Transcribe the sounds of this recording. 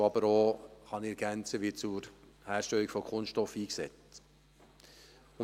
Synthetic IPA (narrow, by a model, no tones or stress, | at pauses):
ɑbəɾoːχɑniɛɾɡ̥ænt͡səʋiːt͡sʊɾ | hæːɾʃtɛlikfɔkʰʊnstɔfiːksɛt͡st | ʊ